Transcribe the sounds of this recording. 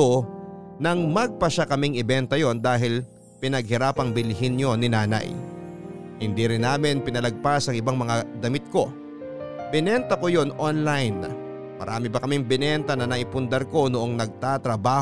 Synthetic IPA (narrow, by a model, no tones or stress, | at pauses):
onɐŋmɐɡ̚pɐʃakɐmɪŋɪbɛnt̪ɐjo̞nd̪aːɦɪl | pɪnɐɡ̚hɪɾaːpɐŋbɪlɪɦɪnɲonɪnaːnɐ̰j | hɪnd̪iɾɪnːaːmɪnpɪnɐlɐɡ̚pasɐŋʔɪbaŋmɐŋad̪ɐmɪt̪̚ko̞ | bɪnɛnt̪ɐko̞jo̞nʔonlajnːɐ | mɐ̰ɾʔaːmɪbɐkɐmɪŋbɪnɛnt̪ɐnɐnɐʔɪpʊnd̪ɛɾko̞nʊʔo̞ŋnɐɡ̚t̪at̪ɾɐbaː